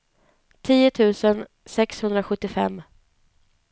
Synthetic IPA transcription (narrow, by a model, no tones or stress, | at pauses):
t̪ʰiːʊt̪ʰʉ̟ːsən | sɛkshɵnd̪ɾaɧɵt̪ːɪfɛ̰mː